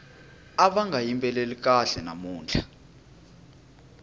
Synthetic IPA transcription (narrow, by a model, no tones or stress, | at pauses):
aɓaŋɡʱajimpʼɛlelik̬ʼaɬɛna̰muːnd͡ɮʱa